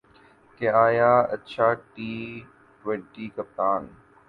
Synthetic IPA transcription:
keaːjaːɐtːt͡ʃʰaːʈiː | ʈwẽɳʈiːkɐp̚t̪aːn

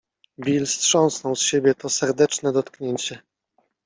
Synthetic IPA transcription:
bʲilstʂɔ̃w̃snɔwsɕebʲjɛt̪ɔsɛɾd̪ɛt͡ʂnɛd̪ɔt̪kɲeɲt͡ɕɛ

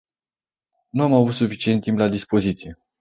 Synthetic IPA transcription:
nuamavut̪sufit͡ʃiet̪ːimplad̪ispo̞zit̪sije̞

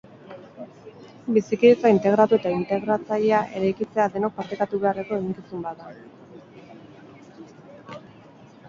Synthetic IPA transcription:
bisikiet͡saint̪e̞ɣ̞ɾat̪ue̞t̪aint̪e̞ɣɾat͡saʎeaʔe̞ɾajkit͡se̞aðe̞nok̚paɾt̪e̞kat̪uβe̞are̞ko̞e̞ɣiŋkisumbat̪a

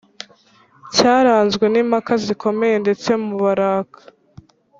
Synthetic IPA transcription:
caːɾaːnzɡwe̞nimakaziko̞me̞je̞nde̞t͡se̞muβaɾaːkʰḁ

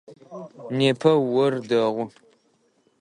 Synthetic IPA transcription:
neːpʰɐwɐrdɐʁʷʊ

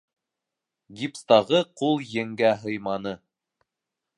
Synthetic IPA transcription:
ɡʲipst̪ɑʁɤqulˠjɘ̆ŋɡæɦɤ̆jmɑnɤ

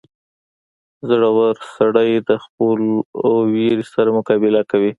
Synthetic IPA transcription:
zɽawaɾsaɽajd̪əxpəlweɾisaɾamʊkɑbɪlakawi

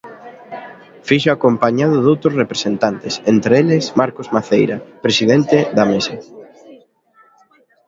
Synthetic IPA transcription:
fiʃʊakompaɲaðʊðowt̪ɾʊsrepɾesent̪ant̪ɪsent̪ɾelesmaɾkozmaθejɾapɾesiðent̪eðamesɐ

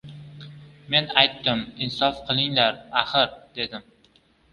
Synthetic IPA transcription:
me̞najt̪ːɪmɪnsɒfqʰɨlˠɪŋlaɾaχɨɾd̪̥e̞d̪ɪm

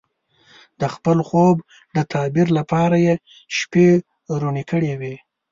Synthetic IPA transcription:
d̪əxpəlxob | d̪ət̪ʰɑbiɾlapɑɾaje | ʃpe | ɾonikəɽewi

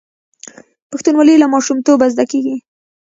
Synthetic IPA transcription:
paxt̪unwɑlelamɑʃumt̪obazd̪akeɡi

